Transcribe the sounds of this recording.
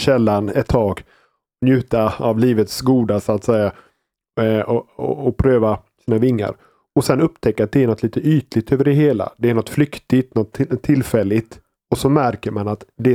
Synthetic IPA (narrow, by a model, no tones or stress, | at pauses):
ɕɛlːanɛt̪ʰːɑːɡ | njʉ̟ːt̪aavliːvət̪sɡuːd̪asʊat̪sɛja | ɔ̰ɔpʰɾøːva | siːnavɪŋːa̰ɾ | ɔsɛnɵpːt̪ʰɛkːat̪̚d̪ɛæɳɔt̪ːliːt̪əyːt̪lɪt̪øːvəɖɛɦeːla̰d̪ɛæɳɔt̪ːflʏkt̪ɪt̪nɔt̪ʰːɪlfɛlːɪt̪ | ɔsɔmæɾkəɾmanat̪d̪ɛ